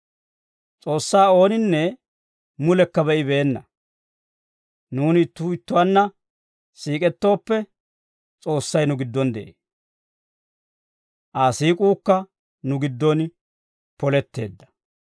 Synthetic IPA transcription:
t͡sʼo̞ːsːaːo̞ːnɪnːɛ | mʊlɛkːɐbɛʔɪbe̞ːnːɐ | nuːnɪt̪ːʊɪt̪ːʊwanːɐ | siːkʼɛt̪ːo̞ːpːɛ | t͡sʼo̞ːsːɐjnʊɡɪd̪ːɔnd̪ɛʔeː | ʔaːsiːkʼuːkːɐ | nʊɡɪd̪ːɔn | pɔlɛt̪ːe̞ːd̪ːɐ̥

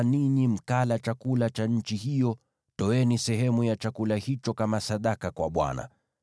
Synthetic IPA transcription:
ninim̩kalat͡ʃakulat͡ʃaɲ̩t͡ʃihijɔ | tɔɛnisɛɦɛmujat͡ʃakulahit͡ʃɔkamasaɗakakwaɓwa̰na̰

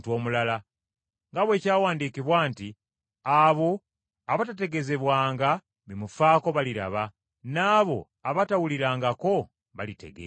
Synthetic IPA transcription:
two̞ːmulala | ŋɡaβwe̞ːcaːwaːndikiβwaːnti | aβo̞ | aβatate̞ɡe̞ze̞βwaːŋɡa | βimufaːko̞βaliɾa̰βa | naːβo̞̰ | aβatawuliɾaːŋɡako̞ | βalite̞̰ɡḛ

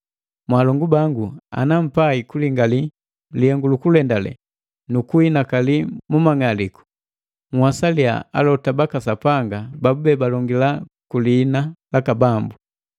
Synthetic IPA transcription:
mwalɔŋɡubaŋɡua̰nam̩paikuliŋɡali | liɛŋɡulukulɛndalɛ̰ | nukuinakalimumaŋaliku̥ | ŋwasalia̰a̰lɔtabakasapaŋɡababubɛbalɔŋɡila | kuliːnalakabambu

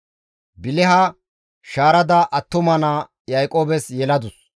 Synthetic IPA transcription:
bɪlɛɦɐ | ʃaːɾɐd̪ɐʔɐt̪ːʊmɐna | jajkʼoːbɛsjɛlɐd̪ʊs

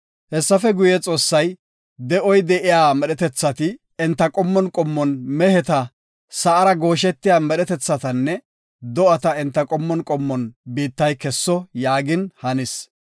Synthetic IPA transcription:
hɛsːɐfɛɡʊjɛt͡sʼo̞ːsːɐj | d̪ɛʔɔjd̪ɛʔɪjaːmɛɗɛt̪ɛt͡sːɐt̪ɪ | ɪnt̪ːɐkʼɔmːɔnkʼɔmːɔnmɛhɛt̪ɐ | sɐʔɐɾɐɡo̞ːʃ̬ɛt̪ːɪjaːmɛɗɛt̪ɛt͡sːɐt̪ɐnːɛ | d̪ɔɐt̪ɐɪnt̪ːɐkʼɔmːɔnkʼɔmːɔnbiːt̪ːɐjkɛsːɔjaːɡɪnhɐnɪs

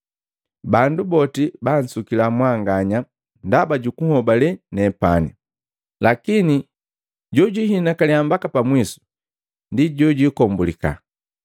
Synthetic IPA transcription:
bandubɔtiban̩sukilamwaŋɡaɲa | ndabaɟukuhɔbalɛnɛpani | lakini | ɟɔɟiɦinakaliambakapamwisu̥ | ndiɟɔɟikɔmbulika̰

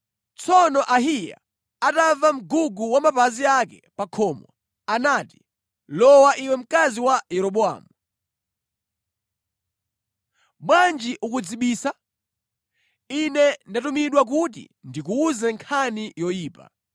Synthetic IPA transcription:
t͡sʰɔnɔʔaɦija̰ | atavam̩ɡuɡuwamapaziakɛpakʰɔmwɔ̰ | anati̥ | lɔwaʔiwɛm̩kaziwajɛɾɔɓɔa̰ːmu | ɓwand͡ʒiʔukud͡ziɓiːsa | inɛndatumiɗwak̬ut̬ḭndikuːzɛŋkʰanijɔjiːpa̰

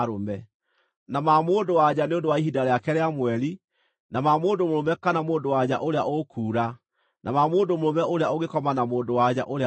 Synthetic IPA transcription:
ɾomɛ | namamoːndowad͡ʑaneondowaiɦidaɾeakɛɾeamwɛɾi | namamoːndomoɾomɛkanamoːndowad͡ʑa̰ʔoɾeaʔokʰuːɾa | nʔa̰mamoːndomoɾomɛʔoɾeaoɣekɔmanamoːndowad͡ʑa̰ʔoɾe

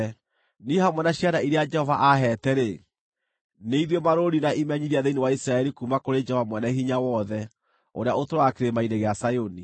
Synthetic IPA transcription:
nihamwɛnaɕianaiɾead͡ʒɛhɔvaʔaɦɛtɛɾe | neiðwɔmaɾoɾinaʔimɛɲiðiaðeinewaisɾaɛɾikumakoɾed͡ʒɛhɔvamwɛnaɦiɲawɔðɛ | o̰ɾeaotoɾaakeɾemaineɣeasajoni

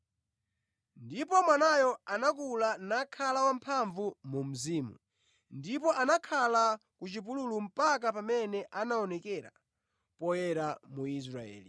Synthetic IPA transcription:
ndipɔmwanajɔanak̬ulanakʰalawam̩pʰaɱvumum̩ziːmṵ | ndipɔʔanakʰala | kut͡ʃipululum̩pakapamɛnɛʔanaɔnɛkɛɾa̰ | pɔjɛɾamuis̬ɾaɛ̰ːli

